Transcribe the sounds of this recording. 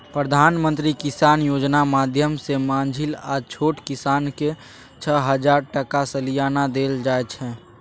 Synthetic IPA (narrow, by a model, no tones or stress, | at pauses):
pɾəd̪ʱaːnmə̃nt̪ɾikɪsaːnjoːd͡ʒnamaːd̪ʱjəmsemãːnd͡ʒʱilaːt͡ʃʰoːʈkɪsaːnke | t͡ʃʰəɦəd͡ʒaːɾʈəkasəlijaːnad̪eːld͡ʒaːet͡ʃʰɛ̃ː